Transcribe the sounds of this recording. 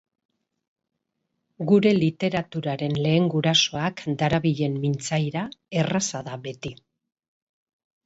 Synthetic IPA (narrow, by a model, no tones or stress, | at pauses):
ɡuɾe̞lit̪e̞ɾat̪uɾaɾe̞nle̞ːŋɡuɾaso̞akd̪aɾaβiʎe̞mmint͡sajɾae̞rasaðaβe̞t̪i